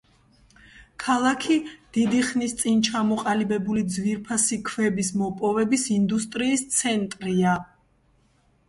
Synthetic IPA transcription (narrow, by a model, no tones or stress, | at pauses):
kʰalˠakʰid̪̥id̪iχnist̪sʼint͡ʃʰamɔqʼalibɛbulid̪zviɾpʰasikʰvɛbismɔpʼɔvɛbisind̪ust̪ʼɾiːst̪sʰɛnt̪ʼɾia